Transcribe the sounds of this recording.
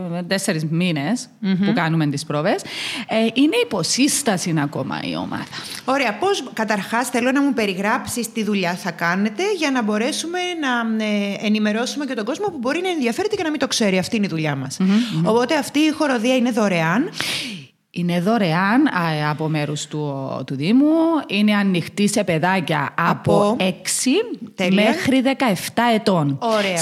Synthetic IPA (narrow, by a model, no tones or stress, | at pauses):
t̪eseɾizminespukɐnument̪ispɾovesʔine̞ipo̞sist̪ɐsinɐko̞mɐ̰ḭo̞̰mɐ̰ðɐo̞ɾe̞ɐpo̞skɐt̪ɐɾxɐsθe̞lo̞nɐmupe̞ɾiɣɾɐpsist̪iðuʎɐθɐkɐne̞t̪e̞ʝɐnɐbo̞ɾe̞sume̞nɐenime̞ɾo̞sume̞ce̞t̪o̞ɡo̞zmo̞pubo̞ɾinɐenðiɐfe̞ɾet̪ece̞nɐmint̪okse̞ɾiɐft̪iiniðuʎɐmɐsopo̞t̪e̞ɐft̪iːxo̞ɾo̞ðiɐineðo̞ɾe̞ɐn | ine̞ðo̞ɾe̞ɐnɐpome̞ɾust̪ut̪uðimuine̞ɐnːixt̪ise̞pe̞ðɐcɐ̰ɐpoeksit̪elme̞xɾiðe̞kɐe̞ft̪ɐe̞t̪o̞noɐ